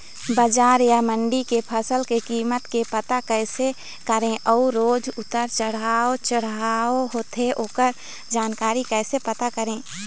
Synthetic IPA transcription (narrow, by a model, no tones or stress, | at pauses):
bəd͡ʒaːɾjaməɳɖikepʰəsəlkekiːmət̪kepət̪akɛːse | kəɾẽʔɔuɾoːd͡ʒʊt̪əɾt͡ʃəɽ̤aːot͡ʃəɽ̤aːoɦoːt̪ʰeoːkəɾ | d͡ʒaːnkaːɾikɛːsepət̪akəɾẽː